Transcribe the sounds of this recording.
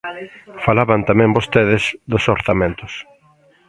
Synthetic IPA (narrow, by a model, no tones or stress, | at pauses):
falaβant̪amɛ̃mbost̪eðɪz̥d̪osoɾθamẽnt̪ʊs